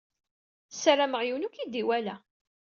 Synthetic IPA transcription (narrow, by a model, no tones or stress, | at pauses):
saɾaməʁjiwnukid̪iwælæ